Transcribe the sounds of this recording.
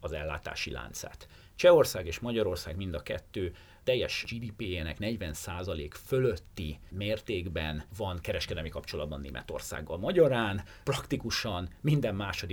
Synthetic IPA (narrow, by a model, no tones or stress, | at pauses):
ɒzɛ̰lːa̰ːt̪a̰ːʃila̰ːnt̪sa̰ːt̪ | t͡ʃɛo̞rsaːɡeːʃmɒɟɒɾo̞rsaːɡmind̪ɒkɛ̰t̪ːøː | t̪ɛjːɛʃd͡ʒiːd̪iːpeːeːnɛ̰knɛɟvɛnsaːzɒleːkfø̞lø̞t̪ːimeːrt̪eːɡbɛnvɒnkɛɾɛʃkɛd̪ɛlmikɒpt͡ʃo̞lɒ̰d̪bɒ̰nːḛːmʔɛ̰t̪o̞̰rsa̰ːɡːɒ̰lmɒɟɒɾaːn | prɒkt̪ikuʃɒnmind̪ɛmːaːʃo̞d̪i